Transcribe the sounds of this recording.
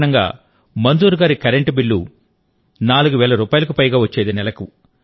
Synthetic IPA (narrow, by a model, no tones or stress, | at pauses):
nɐŋɡa̰ː | mɐnd̪uːɾuɡaːɾikɐɾeɳʈbiɭːṵ | naːluɡuʋɛːɭɐɾuːpaːjlɐkupɐjɡaːʋɐt͡ʃːeːd̪inɛlɐku